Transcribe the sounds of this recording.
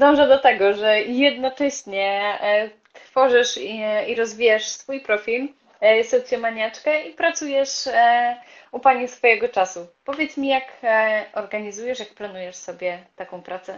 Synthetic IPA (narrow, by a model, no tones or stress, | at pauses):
d̪ɔ̃w̃ʐɛd̪ɔt̪ɛɡɔʐɛjɛd̪̚nɔt͡ʂɛɕɲɛ | t̪fɔʐɨʂiiɾɔzvʲijaʂsfujpɾɔfʲil | sɔt̪sʲjɔmaɲat͡ʂkɛipɾat̪sujɛʂ | upaɲɛsfɔjɛɡɔt͡ʂasupɔvʲjɛt̪smʲijakɔɾɡaɲizujɛʂjak̚planujɛʂsɔbʲjɛt̪akɔ̃w̃pɾat̪sɛ